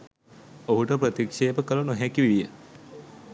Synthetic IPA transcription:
oɦuʈəpɾət̪ikʂeːpəkəlunoɦækiʋiɭijə

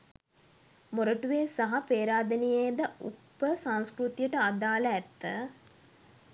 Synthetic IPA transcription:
moɾəʈuʋeːsaɦapeːɾaːd̪ɐnijeːd̪əʔṵpːəsãŋskɾut̪ijəʈəad̪aːləæt̪ːə

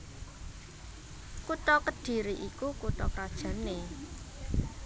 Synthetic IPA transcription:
kut̪ɔkəd̥i̤ɾiʔikukut̪ɔkɾad̥ʒ̥ä̤ne

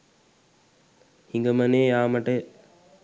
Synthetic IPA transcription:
hiŋɡəmɐneːjaːmɐʈə

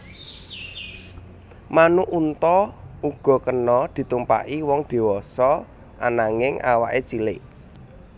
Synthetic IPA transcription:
manuʔunt̪ɔuɡ̥ɔ̤kənɔd̪̥i̤t̪umpa̰ʔiwɔŋd̪̥e̤wɔsɔ | ʔa̰naŋɪŋa̰wa̰ʔet͡ʃilɪʔ

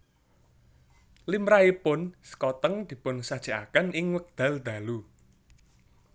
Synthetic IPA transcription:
limɾaipʊnsə̥kɔt̪əŋd̪̥i̤pʊnsad̥ʒ̥a̤ʔa̰kənɪŋwək̚d̪̥ä̤ld̪̥ä̤lu

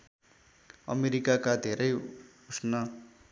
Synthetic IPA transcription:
ʌ̰meɾikakad̪ʱeɾʌj | usnʌ

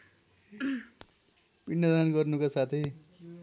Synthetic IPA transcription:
b̥inːʌd̪anɡʌrnukasat̪ʰi

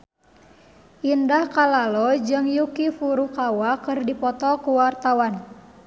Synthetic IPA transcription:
ʔindahkalalɔd͡ʒɨŋjukifuɾukawakɨrdipɔt̪ɔkuwart̪awan

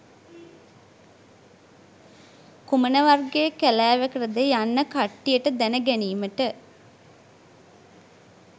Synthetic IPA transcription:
kumənəʋarɡejəkælæːʋəkərəd̪ejanːəkaʈːijəʈəd̪ænəɡæniːməʈə

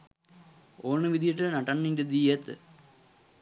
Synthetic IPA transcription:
oːnːɨʋid̪ijiʈːɨnɐʈːɐɳːinded̪ijɐt̪ːɨ̰

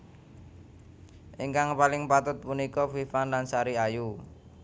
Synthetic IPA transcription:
ʔiŋkaŋpalɪŋpat̪ʊt̪̚punikɔfifanlansaɾiaju

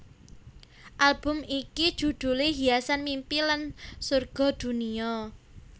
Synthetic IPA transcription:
ʔalb̥ʊ̤mikid̥ʒ̥ṳd̪̥ṳleɦiasanmimpilansurɡ̥ɔ̤d̪̥ṳniɔ

